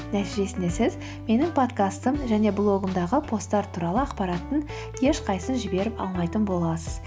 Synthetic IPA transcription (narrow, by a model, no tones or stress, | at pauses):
næt̪iʒe̞sɪnd̪e̞sɪz | me̞nɪŋpʰo̞t̪kast̪əmʒæne̞blˠo̞ɡəmd̪ɑʁəpʰo̞st̪ːɑɾt̪ʰuɾɑlˠəɑqpɑɾɑt̪ːəŋ | kʰe̞ʃqʰɑjsənʒɪbe̞ɾɪpɑ̰lˠmɑjt̪ənbo̞lˠɑsəz̥